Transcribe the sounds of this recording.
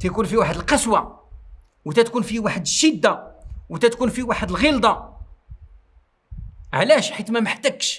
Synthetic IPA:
t̪ækunfiwaħəd̪əlqɑswa | wt̪æt̪kunfiwaħəd̪əʃːid̪ːawt̪æt̪kunfiwaħəd̪əlɣild̪ˤɑ | ʕlæʃħit̪mæməħt̪ækʃ

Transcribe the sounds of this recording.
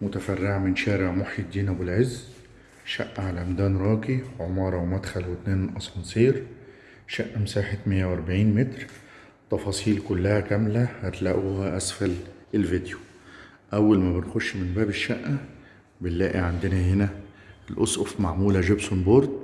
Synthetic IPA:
mʊt̪afarːɪʕmɪnʃæːɾɪʕmʊħjɪd̪ːiːnæbɪlʕɪzː | ʃaʔːaʕalamd̪æːnɾˤɑːkiʕʊmɑːɾˤɑwmad̪xælwɪt̪neːnʔɑsˤɑnsˤiːɾ | ʃaʔːamsaːħɪt̪mɪjːawʔɑɾˤbaʕiːnmɪt̪ɾ | t̪ˤːɑfɑːsˤiːlkʊlːahækæmlahat̪laʔuhaʔasfælɪlvɪd̪ju | ʔawːalmæbɪnxʊʃːmɪnbæːbɪʃːaʔːa | bɪlːæːʔiʕand̪ɪnaɦɪnæ | ɪlʔʊsʔʊfmaʕmuːlaʒɪbsʊnbɑɾˤd̪̚

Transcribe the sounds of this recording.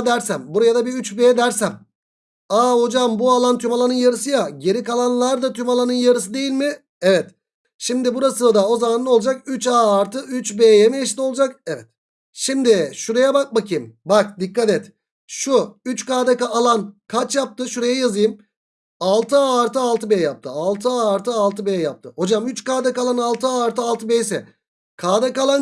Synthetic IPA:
d̪æɾsæmbuɾajad̪abiyt͡ʃbeːd̪æɾsæm | aːho̞d͡ʒambualˠant̪ʰymalˠanɯnjaɾɯsɯjaɟe̞ɾikalˠanlˠaɾd̪at̪ʰymalˠanɯnjaɾɯsɯd̪e̞jilʲmɪ | evɛt̪ | ʃimd̪ɪbuɾasɯld̪ao̞zamanːˠo̞lˠd͡ʒak̚yt͡ʃaːɾt̪ʰɯyt͡ʃbeːjemeiʃt̪ʲio̞lˠd͡ʒakevɛt̪̚ | ʃimd̪ɪʃuɾejabak̚bakʰɯjmbak̚d̪ikːat̪ɛt̪ | ʃuyt͡ʃkaːd̪akaːlˠankʰat͡ʃjap̚t̪ɯʃuɾe̞jɛjazɯjɯm | alˠt̪ʰɯaːɾt̪ʰɯalˠt̪ʰɯbejjap̚t̪ʰɯalˠt̪ʰɯaːɾt̪ʰɯalˠt̪ʰɯbejjap̚t̪ʰɯho̞d͡ʒamyt͡ʃkaːd̪akalˠanalˠt̪ʰɯaːɾt̪ʰɯalˠt̪ʰɯbejsɛ | kʰaːd̪akalˠan

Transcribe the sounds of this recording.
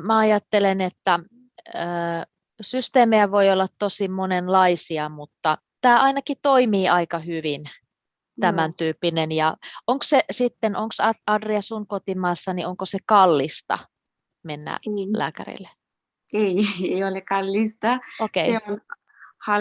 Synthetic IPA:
mæɑjɑt̪ːelenet̪ːæ | əː | syst̪eːmeæʋoiolːɑt̪tosimonenlɑisiɑmut̪ːɑ | t̪æːʔɑinɑkit̪oimiːɑikɑhyʋin | t̪æmænt̪yːpːinenjɑoŋkssesit̪ːenʔoŋksɑɑdriɑsuŋkot̪imɑːsːɑnioŋkosekɑlːist̪ɑ̰ | menːæ̰læ̰ːkæ̰rḭlːe | eieiolekɑlːist̪ɑokeiemu | hɑ

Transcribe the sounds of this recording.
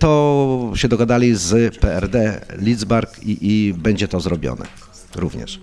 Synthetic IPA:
t̪ɔɕɛd̪ɔɡad̪alʲizpɛɛɾd̪ɛlʲid̪zbaɾkiʔibɛɲd͡ʑɛt̪ɔzɾɔbʲjɔ̰nɛ̰ | ɾuvɲɛ̰ʂ

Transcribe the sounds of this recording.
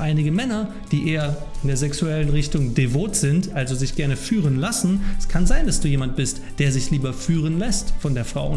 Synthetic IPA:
ʔaɪnɪɡəmɛnɐ | d̥iːʔeːɐ | ɪndeːɐzɛksuɛlənʁɪçtʊŋdevoːtz̥ɪntʔalzozɪçɡ̥ɛɐnəfyːʁ̞ənlasn̩ɛskʰanzaɪnd̥asd̥uːjeːmant̚b̥ɪst | d̥eːɐzɪçliːbɐfyːʁ̞ənlɛstfɔndeːɐfʁ̥a̰ʊ

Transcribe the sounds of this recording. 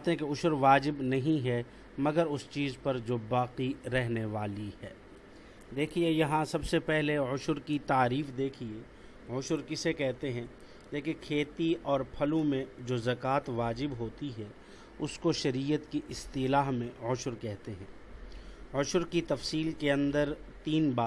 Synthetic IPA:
t̪eɦɛ̃keʊʃʊɾʋaːd͡ʒɪbnɐɦĩɦɛ | mɐɡəɾʊst͡ʃiːzpɐɾd͡ʒoːbaːqiɾɛɦneʋaːlihɛː | d̪eːkʰiejɐɦãsɐbsepɛɦleʊʃʊɾkit̪aːɾiːfd̪eːkʰieː | ʊʃʊɾkɪsekɛɦt̪eɦɛ̃ː | leːkẽkʰeːt̪iɔːɾpʰɐlõmẽd͡ʒoːzɐkaːt̪ʋaːd͡ʒɪbɦoːt̪iɦɛː | ʊskoʃɐɾiːjət̪kiʔɪst̪ilaːɦmẽʊʃʊɾkɛɦt̪eɦɛ̃ː | ʊʃʊɾkit̪ɐfsiːlkeɐ̃nd̪əɾt̪iːnbaː

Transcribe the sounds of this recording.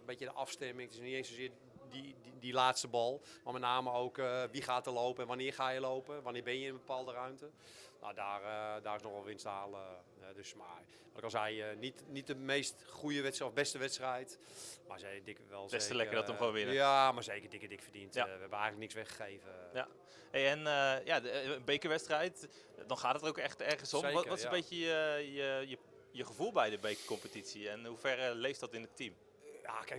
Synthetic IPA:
əmbɪtjədəʔɑfstɛmɪŋtɪsniteːnsozɪː | didilaːtstəbɔlˠmamɛtnaːməoːkəʋiχaːtəlowpəɛnʋanɪːχaːjəlowpəʋanɪːbɪnjəɪnəbəpaːlˠdərœɥmtə | no̰daːrdaːrɪsnɔxʋɔlˠʋɪnsdaːlˠə | ɛdøsma | ʋɔtɪkʋɔlˠzɛjnitnit̚dəmeːstχujəʋɛtsɔfbɛstəʋɛtstrɛjt | masɛdɪkʋɛlˠbɛstəlɛkərdɔttɔmkonʋɪnəamarzeːkərdɪkədɪkfərdintaʋəɛbəɛjɣənləknɪksʋɛχə̥xeːvəja̰ | hejɛnəjabejkəʋɛtstrɛjt | dɔnχaːtdtəowkɛχtɛrχənsɔmɔʋɔtɪsəmbejəjəəjə | jəχəvulˠbɛjdəbejkəkɔmpətitsiɛnɦufɛrlejftdɔtɪnətim | ja̰kɛ

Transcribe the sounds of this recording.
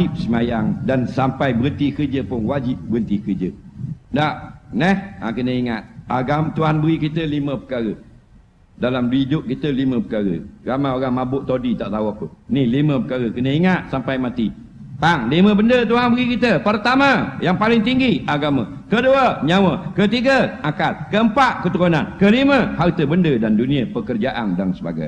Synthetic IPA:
ɪp̚səmajaŋdansampajbəɾənt̪ikərd͡ʒəpʊnwad͡ʒɪp̚bəɣənt̪ikərd͡ʒə̰naʔnɛha̰kənəiŋat̪̚aɡamt̪uɦanbəɣikit̪əliməpə̥kaɾə | dalamduid͡ʒʊʔ̚kit̪əliməpəkaɾə̰ɡamaoɾaŋmabʊʔt̪odit̪aʔt̪auapəniliməpəkaɾəkənəiŋat̪̚sampajmat̪i | t̪aŋlimə̃bəndət̪uɦanbəɣikit̪əpərt̪aməjaŋpalɪŋt̪iŋɡiaɡamə | kəduəɲawəkət̪iɡəakat̪̚kəəmpaʔkət̪əɾonankəliməhat̪əbəndədanduniəpəkərd͡ʒaʔa̰ndaŋsəba̰ɡa̰j

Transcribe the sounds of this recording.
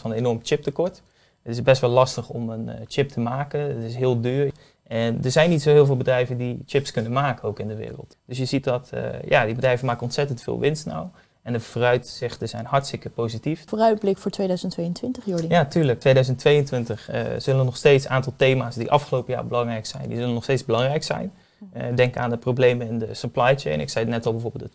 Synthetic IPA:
fɑnenɔɹmt͡ʃɪp̚təkɔɹt | ətɪzbɛstʋɛlɑstəχɔmənt͡ʃɪp̚tʰəmaːkənətɪsɦɪːlˠdyːɹ | ʔɛndəɹzɛjnitsoɦɪːlˠvɪlˠbədrɛjvəndit͡ʃɪpskɵnənmaːkəowkɪndəʋɪ̰ːrə̰lˠtd̥ɵsjəzit̚dɑtja̰ːdibədrɛjvənmaːkənɔntsɛtəntfɪ̰ːlˠʋɪnstna̰w | ɛndəvoːrœɥtsɪχtəzɛjnɦɑɹtstɪkəpowzitiffoːrœɥt̚blɪkfʊːɹtʋedœɥzəntʋejəntʋɪntəχjodijaːtyːɹlək̚tʋejdœɥzəntʋejəntʋɪntəχə̰z̥ɵlənɔχsteːtsaːntɑlˠtejmaːsdiʔɑfχəlowpəja̰ːɹbəlɑŋrɛjksɛ̰jndḭzɵlənɔχstejzbəlɑŋrɛjksɛ̰jn | dɛŋka̰ːndəproblejməɪndəsəplajt͡ʃḛjnɪ̰ksɛjnɛtɑlˠbɛjvoːɹbɪːlˠt

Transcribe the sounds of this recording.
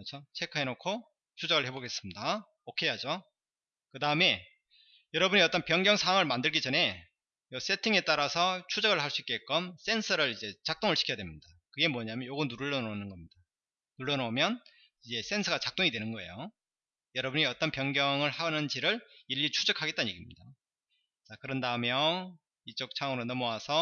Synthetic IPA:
t͡ɕʰot͡ɕʰe̞kʰɯɦenokʰo | t͡ɕʰud͡ʑʌɡɯɭhe̞boɡe̞s͈ɯmɲida | okʰejad͡ʑo | kɯdaɯme̞ | jʌɾʌbuɲiʌt͈ʌnpjʌŋɡjʌŋsʰawaŋɯɭmandɯɭɡid͡ʑʌne̞ | jʌs͈e̞tʰiŋe̞t͈aɾasʰʌt͡ɕʰud͡ʑʌɡɯɭhaɭs͈uik͈eek͈ʌms͈e̞nsʰʌɾɯɭid͡ʑe̞t͡ɕak̚t͈oŋɯɭɕʰi̥kʰʌjadwemɲid̥a | kɯɡe̞mwʌɲamjʌnjoɡɯnuɾuɭːʌnonɯnɡʌmɲid̥a | nuɭːʌnʌmjʌn | id͡ʑe̞s͈e̞nsʰʌɡat͡ɕak̚t͈oŋidwe̞nɯnɡʌe̞̰jo | jʌɾʌbuɲiʌt͈ʌnpjʌŋɡjʌŋɯɭhanɯnd͡ʑiɾɯɭiʎːit͡ɕʰud͡ʑʌkʰaɡet͈anje̞ɡimɲida | t͡ɕakɯɾʌndaɯmjʌ | it͡ɕ͈ok̚t͡ɕʰaŋɯɾonʌmowasʰʌ

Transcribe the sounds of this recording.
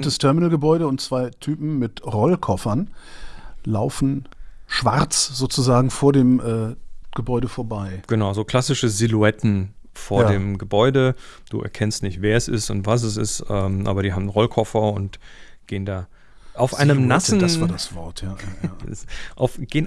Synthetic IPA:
təstʰɛɐmɪnəlɡəbɔʏɾəʊntt͡sv̥aɪtʰyːpm̩mɪtʁɔlkʰɔfɐn | laʊfn̩ʃv̥aʁt͡sz̥oːt͡suzaːɡŋ̩foːɐdeːmʔɛːɡ̥əbɔʏɾəfoːɐbaɪɡ̥ənaʊzoːkʰl̥asɪʃəzɪluɛtn̩ | foːɐadeːmɡəbɔʏdəd̥ṵːʔɛ̰ɐkʰɛnstnɪçtv̥eːɐɛsɪ̰stʊ̰ntv̥as̬ɛsɪ̰stɛːmʔa̰ːbɐɾiːɦaːbmnʁɔlkʰɔfɐʊnt | ɡ̥eːəndaː | ʔaʊfʔaɪnəmnasn̩dasaːɐdasv̥ɔɐtʰjaːjaːʔaʊfɡ̥eːn

